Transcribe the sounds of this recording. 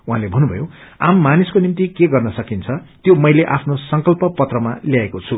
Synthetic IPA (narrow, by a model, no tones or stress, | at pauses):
uɦãlebʱʌnːubʱʌ̰joamːaniskonimt̪ikeɡʌrnʌsʌkint͡sʰʌt̪jomʌjleʔapʰnosʌŋkʌlpʌpʌt̪rʌma̰ljaekot͡sʰu